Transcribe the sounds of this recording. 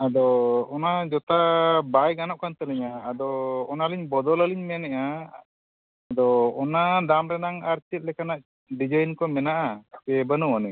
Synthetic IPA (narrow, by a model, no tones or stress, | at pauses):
ad̪ɔɔnad͡ʒɔt̪abajɡanɔʔkant̪əlɛɲaːd̪ɔɔnaliɲbɔd̪ɔlaliɲmɛnɛʔa | d̪ɔɔnad̪amɾɛnaŋaɾt͡ʃit̪̚lɛkanaʔ | ɖid͡ʒajnkɔmɛnaʔaapɛbənɔwanɛ